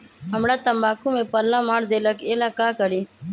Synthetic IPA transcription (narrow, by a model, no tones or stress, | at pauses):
ɦəmɽaːt̪əmbaːkʰũmẽpəlːãmaːɽd̪eːləkeːlakaːkəɽiː